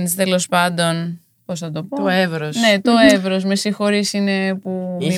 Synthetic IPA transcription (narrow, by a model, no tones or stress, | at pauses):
nist̪e̞lo̞spɐnd̪o̞n | po̞snɐt̪o̞pooevɾosne̞t̪o̞evɾosme̞sixo̞ɾisine̞pui